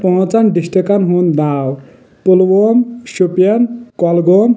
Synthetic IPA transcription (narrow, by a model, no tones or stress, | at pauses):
pɔɦɔ̃t͡sanɖisʈekanɦund̪aw | polwomʃupjankɔlɡom